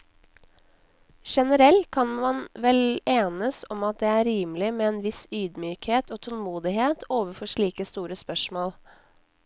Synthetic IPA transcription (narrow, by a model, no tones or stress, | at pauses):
ʃɛnəɾɛlt̪̚kʰɑnmɑnʋɛleːnəsɔmɑt̪̚d̪eːæːɾiːmlɪmeːeːnʋɪsyːd̪myːkheːt̪oːt̪ʰɔlmuːd̪ɪheːt̪ʰoːʋəfɔʂɭiːkəst̪uːɾəspœʂmoːl